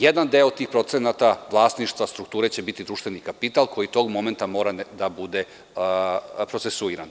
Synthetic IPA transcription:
jed̪and̪eot̪t̪ːiːxpɾo̞t̪senat̪aʋlˠaːsniʃt̪ʋast̪ɾuk̚t̪uːɾe̞t͡ɕe̞bit̪id̪ɾuːʃt̪vʋe̞nikapit̪alˠkʰo̞jit̪o̞ɡmo̞ment̪amo̞ːɾad̪abud̪e̞ | pɾo̞t̪sesuiɾan

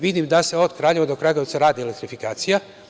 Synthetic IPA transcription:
ʋid̪imd̪ase̞o̞d̪kɾaːʎe̞ʋad̪o̞kɾaɡot̪saɾaːd̪ielek̚t̪ɾifikaːt̪sija

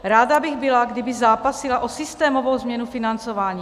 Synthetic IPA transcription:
ɾaːdabɪɣbɪlaɡdɪbɪzzaːpasɪlaʔosɪst̪ɛːmo̞vowzmɲɛnufɪnant͡sovaːɲiː

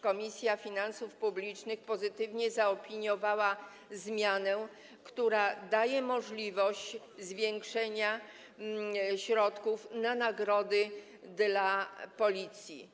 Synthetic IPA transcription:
kɔmʲisʲjafʲinansufpublʲit͡ʂnɘxpɔzɘt̪ɘvɲɛzaɔpʲiɲjɔvawa | zmʲjanɛ | kt̪uɾad̪ajɛmɔʐlʲivɔɕt͡ɕ | zvʲjɛŋkʂɛɲa | ɕɾɔt̪kufnanaɡɾɔd̪ɘ | d̪lapɔlʲit̪sʲjḭ

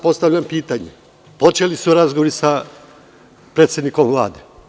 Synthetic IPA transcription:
po̞st̪avʎampiːt̪aɲḛ | po̞t͡ʃe̞lisuɾazɡoʋoɾisa | pɾe̞ːt̪sʲe̞d̪nikomʋlˠa̰ːd̪e

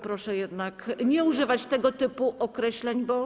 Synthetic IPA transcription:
pɾɔʂɛjɛd̪nakɲɛuʐɘvat͡ɕt̪ɛɡɔt̪ɘpuʔɔkɾɛɕlɛɲbɔ

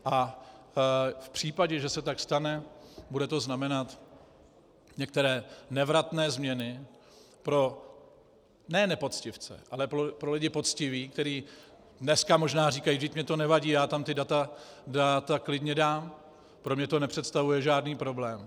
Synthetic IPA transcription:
ʔa | fpr̝̥iːpaɟɛʒɛsɛt̪akst̪anɛbudɛt̪o̞znamɛnat̪ | ɲɛk̚t̪ɛɾɛːnɛvɾat̪nɛːzmɲɛnɪ | pɾo̞ | nɛːnɛpo̞t͡scɪft͡sɛ̰ʔalɛpɾopɾo̞lɪɟɪpo̞t̪t͡scɪviːkt̪ɛɾiː | dnɛskamo̞ʒnaːriːkajiʒɪcmɲɛt̪o̞nɛvaɟiːjaːt̪amt̪ɪdat̪adat̪aklɪdɲɛdaːm | pɾomɲɛt̪o̞nɛpr̥ɛt̪st̪avujɛʒaːdniːpɾo̞blɛːm

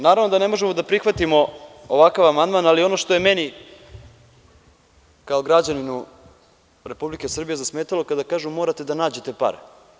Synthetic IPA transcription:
naːɾavno̞d̪ane̞mo̞ʒemo̞d̪apɾixʋat̪imo̞ | oʋakaʋamand̪maːnalio̞noʃt̪o̞je̞meni | kao̞ɡɾad͡ʑaninu | ɾe̞publike̞sr̩bijezasmeːt̪alo̞kad̪akaːʒumo̞ːɾat̪e̞d̪anaːd͡ʑe̞t̪e̞pa̰ɾe

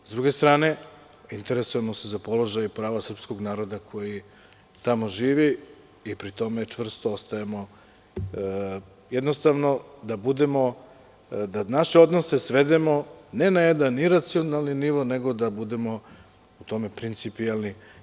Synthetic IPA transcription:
zd̪ɾuɡe̞st̪ɾaːne̞ | int̪e̞ɾesuje̞mo̞se̞zapo̞lˠo̞ʒajpɾaːʋasr̩psko̞ɡnaːɾo̞d̪akʰo̞ji | t̪amo̞ʒiːʋiː | pɾit̪o̞me̞t͡ʃʋr̩st̪oost̪ajemo̞ | jed̪no̞st̪aʋno̞d̪abud̪e̞mo̞ | d̪anaʃeo̞d̪no̞se̞sʋe̞d̪e̞mo̞ne̞najed̪anːiɾat̪sio̞nalˠniniʋo̞ne̞ɡo̞d̪abud̪e̞mo̞ | ut̪o̞me̞pɾint̪sipialˠni

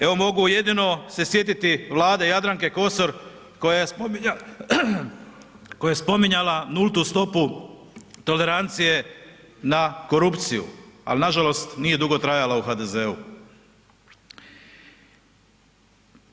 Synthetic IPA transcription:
eʋo̞mo̞ɡuje̞d̪ino̞se̞sje̞t̪̬it̪iʋlˠaːd̪ejad̪ɾaŋke̞ko̞soɾ | koja | kojajespo̞miɲalanulˠt̪ust̪o̞pu | t̪o̞le̞ɾant̪sije̞ | nako̞ɾupt̪sijṵa̰linaʒalo̞st̪nije̞d̪uɡo̞t̪ɾajalauxad̪e̞zeu

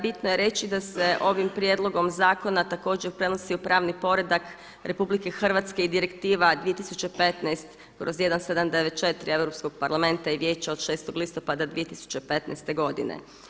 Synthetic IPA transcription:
bit̪noje̞ɾe̞t͡ɕid̪ase̞ʔo̞ʋimpɾje̞d̪lˠo̞ɡo̞mzaːko̞nat̪ako̞ːd͡ʑeɾpɾe̞nosiupɾaːʋnipo̞ɾe̞d̪ak | ɾʔe̞publike̞xr̩ʋat̪ske̞id̪iɾekt̪iːʋad̪ʋije̞t̪isut͡ɕe̞pe̞t̪najst̪ | kɾozje̞d̪anse̞d̪amd̪eʋet̪̚t͡ʃe̞t̪ɾie̞ʋɾopsko̞ɡ̥̚paɾlˠame̞nt̪aiʋje̞ːt͡ɕao̞d̪ʃe̞ːst̪o̞ɡlist̪o̞pad̪ad̪ʋije̞t̪isu̥t͡ɕepe̞t̪nɛ̰jst̪e̞ɡo̞d̪ḭnḛ

